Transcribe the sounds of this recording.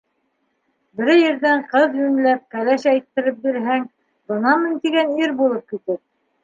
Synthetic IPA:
bɘ̆ɾɘjɘ̆ɾðæɴqɤðjʉnlæp̚kælæʃæjt̪ːɘ̆ɾɘp̚biɾɦæŋ | bɤ̆nɑmɘ̆nt̪iɡæniɾbulˠɤp̚kit̪ɘp̚

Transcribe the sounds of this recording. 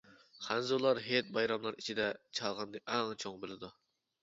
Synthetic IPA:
χænzulˠɑɾɦet̪̚bɑjɾɑmlˠɑɾit͡ʃʰid̪ɛt͡ʃʰɑlˠʁɑnd̪ɨʔɛŋt͡ʃʰoŋbɪlɪd̪u

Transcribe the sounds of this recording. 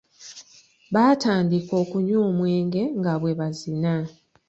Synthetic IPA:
βaːtaːndiko̞ːkuɲo̞ːmwe̞ːŋɡe̞ŋɡaβwe̞βazina

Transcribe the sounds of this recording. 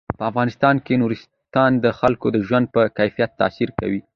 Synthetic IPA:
pəafɣɑnɪst̪ɑnkenuɾɪs | t̪ɑnd̪əxalkod̪əʒwand̪̚pəkajfijat̪ːa̰siɾka̰wi

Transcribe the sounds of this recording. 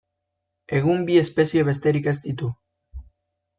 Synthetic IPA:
e̞ɣ̞umbiespe̞sieβe̞st̪e̞ɾike̞st̪it̪u

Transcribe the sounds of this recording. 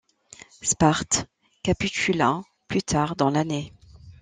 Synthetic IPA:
spaʁt̪ | kapikʲylɛ̃ | plyt̪ʰaʁd̪ɑ̃lane

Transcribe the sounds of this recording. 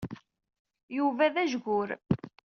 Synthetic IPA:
juvæðæʒɡʊɾ

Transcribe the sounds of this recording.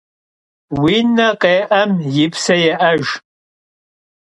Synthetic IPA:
winːaqʼejʔɐmjɪpʰsɐjaʔaʒ

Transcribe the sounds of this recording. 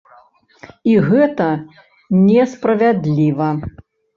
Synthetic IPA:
iɣɛt̪ɐ | nʲɛspɾɐvʲad̪lʲivɐ

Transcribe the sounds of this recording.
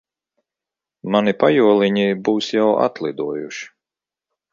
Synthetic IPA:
manipajuɔlˠiɲʲibuːsjawa̰t̪lˠid̪uɔjuʃi̥

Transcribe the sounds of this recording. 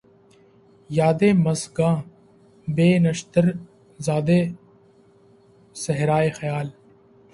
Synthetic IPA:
jaːd̪eːmɐsɡãː | beːnɐʃt̪əɾ | zaːd̪eː | sɐɦɾaːexɐjaːl

